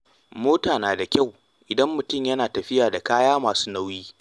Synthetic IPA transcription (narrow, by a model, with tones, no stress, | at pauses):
moː˦taː˨naː˨da˨kʲa˦˨w | ʔɪ˨dɐ˦mːʊ˨tʊ˦˨mjɐ˦naː˨tɐ˨ɸɪ˦jaː˨da˨kaː˦jaː˦maː˨su̥ː˦na˦wjiː˦